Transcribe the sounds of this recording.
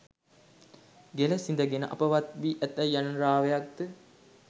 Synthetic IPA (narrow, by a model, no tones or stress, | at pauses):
ɡeləsind̪əɡenə̰ʔɐ̰pəʋat̪̚ʋiːʔæt̪ːæjːanənɾaːʋejak̚d̪ə